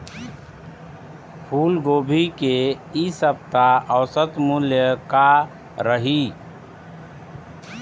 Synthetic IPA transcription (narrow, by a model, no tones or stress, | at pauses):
pʰulɡobʱike | isəb̚t̪aəwsət̪muljəka | ɾəɦi